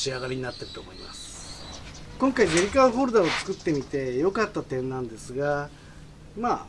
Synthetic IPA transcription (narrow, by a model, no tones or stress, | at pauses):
ɕiaɡaɾʲiɲ̟inat̪ːe̞ɾɯt̪o̞ːmo̞ima̰sɨ̥ | kõ̞ŋkaid͡ʑeɾʲikaɯɸo̞ːɾɯ̟d̪aot͡sɨ̥kɯ̟t̪ːe̞mʲit̪e̞jo̞kat̪ːat̪ẽ̞nnãnd̪e̞sɨɡa | maː